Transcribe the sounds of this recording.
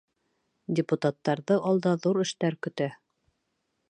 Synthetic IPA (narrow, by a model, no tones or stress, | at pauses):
dʲɪput̪at̪ːɑɾðɤʔɑlˠd̪ɑðuɾɘ̆ʃt̪æɾkɵ̆t̪æ